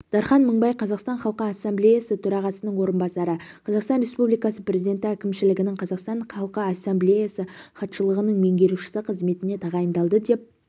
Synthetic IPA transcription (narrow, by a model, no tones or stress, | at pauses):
d̪̥ɑɾχɑnməɴbɑjqʰɑzɑqst̪ɑnχɑlˠqəːsːemblejasət̪ʰɵɾɑʁɑsənəɴwo̞ɾənbɑsɑɾəqʰɑzɑqst̪ɑnɾe̞spublijkɑsəpɾʲezid̪e̞nt̪ɪækʲɪmʃɪlɪɡʲɪnɪŋqʰɑzɑqst̪ɑnχɑlˠqəːsːe̞mble̞jasəχɑt̪ʃəlˠəʁənəɴme̞ŋɡʲe̞ɾuʃɪ̥səqʰəzme̞t̪ɪne̞t̪ʰɑʁɑjənd̪ɑlˠd̪əd̪e̞p̚